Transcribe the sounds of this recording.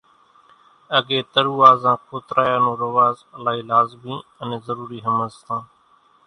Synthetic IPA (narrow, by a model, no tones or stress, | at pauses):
əɠeːt̪əɾuːʋaːzãːkʰoːt̪ɾaːjaːnõːɾəʋaːzəlaːɦiːlaːzmĩːənẽːzəɾuːɾiːɦəməzt̪ãː